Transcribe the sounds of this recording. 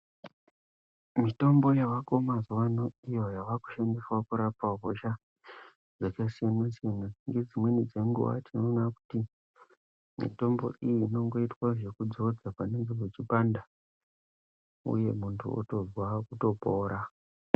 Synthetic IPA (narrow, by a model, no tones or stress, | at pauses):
mito̞mbo̞jaʋako̞mazuwanoijo̞jaʋaku̥ʃandiswakuɾapaɦoʃa | d͡zekasianasienaŋɡe̞d͡zimwe̞nid͡zeŋɡṵʋa̰tino̞naku̥ti | mḭto̞mbo̞̰ʔijiːno̞ŋɡo̞itwaʐe̞kud͡zo̞d͡zapaneŋɡeret͡ʃipanda | ṵje̞̰muntʰṵo̰tozwakuto̞poːɾa